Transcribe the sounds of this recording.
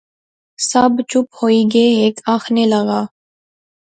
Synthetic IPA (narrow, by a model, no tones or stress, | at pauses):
səbt͡ʃʊphoːiːɡeːɦeːkaːxʰneːləɣaː